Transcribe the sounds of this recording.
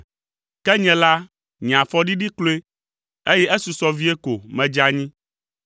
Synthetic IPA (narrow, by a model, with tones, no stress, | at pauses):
kɛ˦ɲɛ̃˨la˦ | ɲ̃˨ã˨fɔ˦ɖi˦ɖi˦klo˦e˦ | e˦jɛ˦ʔe˦su˨sɔ˦vi˦ɛ˦ko̰˨mɛ̃˨d͡ʒa˦ɲĩ˦